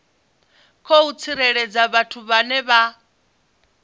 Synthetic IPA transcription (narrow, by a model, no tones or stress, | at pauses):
kʰɔut͡sʰiɾɛɺɛd͡zaβatʰuβanɛβa